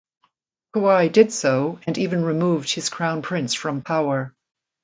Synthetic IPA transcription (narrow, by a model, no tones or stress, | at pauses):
kʰoaɪdɨd̥soʊɨ̃nivɨ̃nɹɨmuvd̥̚hɨz̥kʰɹ̥ãʊ̃npʰɹ̥ɪ̃nsfɹʌ̃mpʰaʊə˞